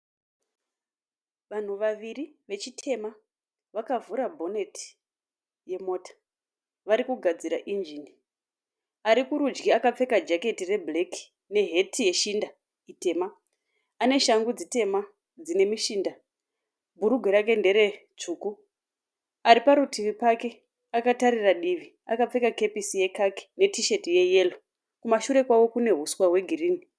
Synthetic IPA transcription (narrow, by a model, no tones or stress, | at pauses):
ʋan̤uʋaʋiriʋe̞t͡ʃitʰe̞ma | ʋakavuɾabʱo̞ne̞tʰi̥ | je̞mo̞ːtḁ | ʋaɾikuɡʱad͡ziɾaʔind͡ʒini | aɾikuɾud͡ʒɡiakap͡fe̞kad͡ʒake̞tire̞ble̞ki̥ | ne̞ɦe̞tʰije̞ʃinda | ite̞ːmaː | ne̞ʃaŋɡud͡zite̞ma | d͡zine̞miʃinda | bʱuɾuɡʱweɾake̞nde̞ɾe̞t͡ʂuːku | aɾipaɾutʰiʋipake̞ | akataɾiraɗiʋi | akap͡fe̞kake̞pisije̞kaki̥ne̞tiʃe̞tije̞je̞lo | kumaʃuɾe̞kwawo̞kune̞ɦuswaɦwe̞ɡʱiriːni